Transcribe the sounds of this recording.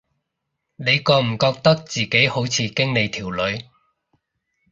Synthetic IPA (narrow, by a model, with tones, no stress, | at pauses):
ne˨˧jkɔː˧m̩˨˩kɔː˧k̚t̪ɐ˥k̚t͡siː˨ke˨˥jho˨˥wt͡sʰiː˨˧kɪ˥ŋle˨˧jt̪ʰiː˨˩wlɵ˨˧ɥ